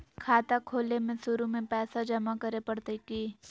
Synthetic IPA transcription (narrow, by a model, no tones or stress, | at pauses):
kʰaːt̪akʰoːlemẽsʊɾumẽpɛːsad͡ʒɐmakəɾepɐɽt̪ekiː